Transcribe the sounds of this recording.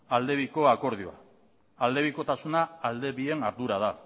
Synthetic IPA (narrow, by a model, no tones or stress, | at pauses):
ald̪e̞βiko̞ako̞ɾð̞ioa̰ | ald̪e̞βiko̞t̪asunaːld̪e̞βie̞naɾðuɾað̞a